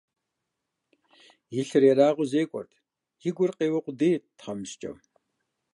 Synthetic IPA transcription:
jɪɬɨɾɛɾaːʁʷʊzeːkʷʼɔ̰rtʰ | jiɡʷʊrqeːwɐqʷʊdeːtʰχɐmɨʃt͡ʃʼɐ̰w

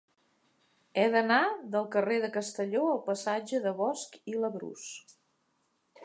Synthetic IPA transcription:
ɛðənaðəlˠkəreðəkəst̪əʎoəlˠpəsad͡ʒəðəβɔskiləβɾṵs

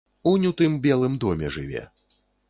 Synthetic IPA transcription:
unʲut̪ɨmbʲɛlˠɨmd̪ɔmʲɛʐɨvʲɛ̰

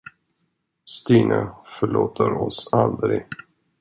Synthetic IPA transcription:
st̪iːnʔafœɭoːt̪ʰəɾɔsald̪ɾɪɡ

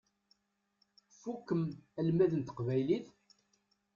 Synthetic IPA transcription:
fukːəmælmæðənt̪ə̥qvæjliθ

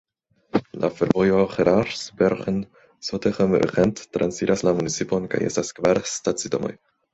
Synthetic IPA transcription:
lʔa̰feɾvojoχeɾaɾsbeɾχen | soteχem̰ɾ̰ʁentːɾansiɾaslamunit͡sipo̞nka̰je̞staskvaɾstat͡sito̰mo̰j

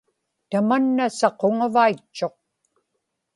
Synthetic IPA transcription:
t̪amanːasɑqoŋavait͡ʃːo̞q̚

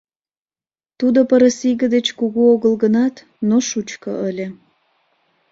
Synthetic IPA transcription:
t̪ud̪opəɾəsiɣə̆d̪et͡ɕkuɣuoɣəlɣənɑt̪ | noʃut͡ɕko̰ʔəlʲe

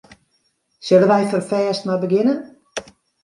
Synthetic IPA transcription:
søləʋɛjfərfɛːstmabəɡɪnə

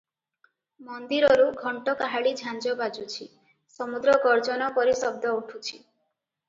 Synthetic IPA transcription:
mɔnd̪iɾɔɾuɡʱɔɳʈɔkaɦaɭid͡ʒʱand͡ʒɔbad͡ʒut͡ʃʰi | sɔmud̪ɾɔɡɔɾd͡ʒɔnɔpɔɾisɔb̚d̪ʱɔuʈʰut͡ʃʰi

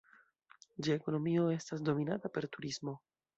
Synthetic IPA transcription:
d͡ʒeeko̞no̞mio̞e̞stasdo̞minatape̞ɾtuɾismo̞

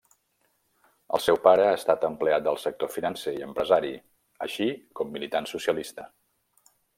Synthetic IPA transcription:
ə̰lˠsɛwpaɾəast̪at̪əmpleat̪̚d̪əlˠsək̚t̪ofinənseiəmpɾəzaɾi | ə̰ʃikɔmːilit̪ansusjəlist̪ə

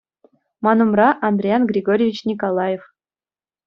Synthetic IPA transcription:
mɑnumrɑʔɑnd̪rʲejɑnɡrʲiɡoɾʲivʲit͡ɕnʲikolˠɑjef

